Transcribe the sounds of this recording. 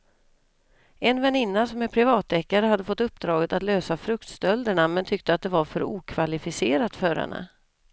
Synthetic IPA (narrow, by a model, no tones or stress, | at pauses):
ɛnvɛnɪnːasɔmɛpʰɾɪvɑːt̪ːɛkːaɾəhad̪ːəfɔt̪ːɵp̚ːd̪ɾɑːɡət̪at̪løːsafɾɵkt̪st̪œld̪əɳamɛnt̪ʰʏk̚t̪əat̪̚d̪ɛvaɾfœɾuːkʰvalɪfɪseːɾat̪fœɾhɛ̰nːə̰